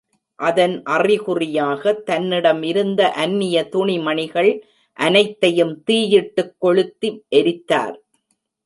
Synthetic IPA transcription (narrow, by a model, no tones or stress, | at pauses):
ʔɐðɐnʔɐrɪɣʊrɪjaːɣɐt̪ːɐnːɪɽɐmɪɾɯnd̪ɐʔɐnːɪjɐt̪ʊɳɪmɐɳɪɣɐɭ | ʔɐnɐɪt̪ːɐjɯmt̪iːjɪʈːɯkːɔɭɯt̪ːiʔɛɾɪt̪ːa̰ːɾ